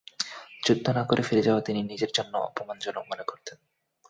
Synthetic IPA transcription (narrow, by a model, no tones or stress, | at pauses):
d͡ʑud̪ʱːonakoɾʔefiɾed͡ʑaoat̪ininid͡ʑeɾd͡ʑonːo̰ɔ̰pomand͡ʑɔnok̚monekoɾt̪ʰen